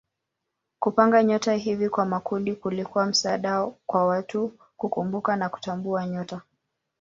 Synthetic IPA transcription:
kupaŋɡaɲɔtaɦivikwamakundikulikuwam̩saɗakwawatu | kukumbukanaku̥tambuaɲɔta

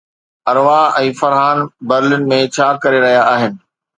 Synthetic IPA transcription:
ɐɾʋaɛ̃ːfɐɾɦaːnbɐɾɪlʊnɪ̆mẽt͡ɕʰaːkɐɾeɾɐɦijaaːɦɪnɪ̆

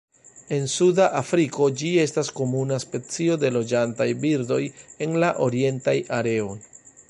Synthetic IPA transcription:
e̞nsudaʔafɾiko̞d͡ʒie̞stasko̞munaspe̞t͡sio̞de̞lo̞d͡ʒantajbiɾdo̞je̞nlaʔo̞ɾie̞ntajaɾe̞o̞j

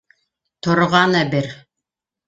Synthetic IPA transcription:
t̪ŏɾʁɑnæbɘɾ

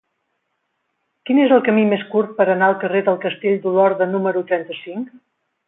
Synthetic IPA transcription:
kinezəlˠkəmimeskuɾt̪̚pəɾənaəlˠkəreðəlˠkəst̪eʎʲd̪ulɔɾðənuməɾut̪ɾɛnt̪əsiŋk

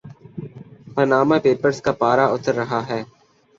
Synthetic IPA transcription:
pənaːmẽːpeːpəɾskaːpaːɾaːʊt̪əɾːəɦaːɦɛː

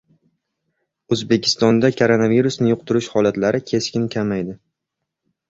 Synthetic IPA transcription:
ɵzbe̞kʲʰɪ̥st̪ɒnd̪akʰoɾo̞naviɾusnɪjʊqt̪ʰʊɾɪʃhɒlat̪laɾɪkʲʰe̞skʲɪnkʲʰamajd̪ɪ

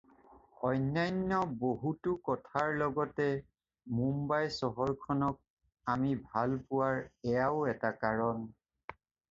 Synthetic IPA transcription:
ɔjnːajnːɔboɦutʊkɔtʰaɹlɔɡɔtɛ | mumbajsɔɦɔɹkʰɔnɔk̚ | amibʱalpʊwaɹɛjaʊɛtakaɹɔn

